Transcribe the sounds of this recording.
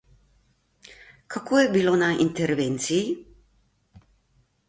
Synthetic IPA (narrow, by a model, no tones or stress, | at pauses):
kakojɛbilonaʔḭnt̪ɛɾvɛnt̪siː